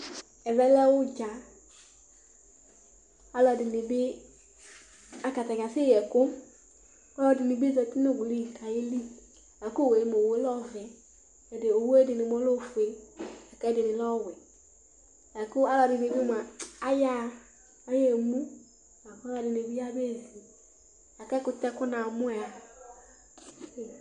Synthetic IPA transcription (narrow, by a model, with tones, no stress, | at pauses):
ɛ˨vɛ˦lɛ˦wʊ˦d͡ʒa˨ | a˦lɔ˨dɪ˨nɪ˨bɪ˦ | a˦ka˨t̪a˨ɡa˨sɪ˦jɛ˨kʊ˦ | ɔ˦lɔ˨˦˨dɪ˨nɪ˨bi˦zɛ˨t̪i˦no˦ɡu˨li˦˨ka˨ji˦li˦ | a˨ko˦˨we˨˦mo˨we˦lɔ˦vɛ˨ | ɛ˨de˨o˨wo˦e˦dɪ˨nɪ˨mɔ˦lo˦˨fu˨e˨a˨kɛ˦dɪ˨nɪ˨lɔ˦wɛ˨ | ja˨kʊ˦a˦lɔ˨dɪ˨ne˨bi˦m˨a˨a˦ja˦˨ | a˦jɛ˦˨mũ˦ | a˨ka˦a˨dɪ˨ne˨bi˦a˦be˦˨zi˨ | a˨kɛ˦kʊ˨˦tɛ˦kʊ˦na˨mʊ˦˨a˨